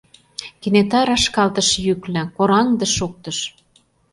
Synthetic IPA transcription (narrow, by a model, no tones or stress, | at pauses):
kenet̪ɑɾɑʃkɑlt̪ə̆ʃjyklɘ̆koɾɑnd̪ə̆ʃok̚t̪ɤ̆ʃ